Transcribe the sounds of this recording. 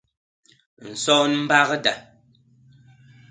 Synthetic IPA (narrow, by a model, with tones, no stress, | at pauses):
n̩˨sɔː˦n˦m̩˦ba˦ɣə˦da˨